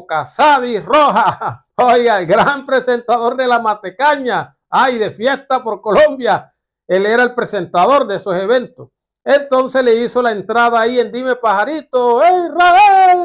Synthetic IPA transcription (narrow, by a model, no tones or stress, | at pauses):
kasaðiroɦa | ojɣaelɡɾampɾese̞nt̪aðo̞ɾðe̞lamat̪e̞kaɲa | ajðe̞fje̞st̪apo̞ɾko̞lõ̞mbja | e̞leɾaelpɾe̞se̞nt̪aðo̞ɾdeso̞se̞βe̞nt̪os | ent̪o̞nse̞sle̞iso̞lae̞nt̪ɾaðaːie̞nd̪ime̞pahaɾit̪oejrael